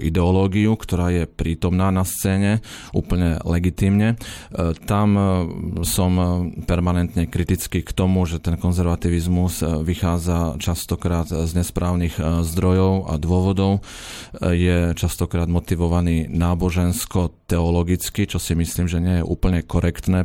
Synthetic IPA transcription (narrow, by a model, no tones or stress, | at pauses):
ʔḭd̪ɛɔlɔːɡiukt̪ɔɾaːjɛpɾiːt̪ɔmnaːnast͡sɛːɲɛʔṵːpl̩ɲɛlɛɡit̪iːmɲɛt̪am | sɔmpɛɾmanɛnt̪ɲɛkɾit̪it͡skiːkt̪ɔmuʒɛt̪ɛnkɔnzɛɾʋat̪iʋizmuzʋixaːd͡zat͡ʃast̪ɔkɾaːd̪zɲɛspɾaːʊniɣzd̪ɾɔjɔʊa̰d̪ʊɔʋɔd̪ɔʊ | jɛt͡ʃast̪ɔkɾaːd̪mɔt̪iʋɔʋaniːnaːbɔʒɛnskɔt̪ɛɔlɔɡit͡skit͡ʃɔsimisliːmʒɛɲɪɛjɛʔṵːpl̩ɲɛkɔɾɛkt̪nɛː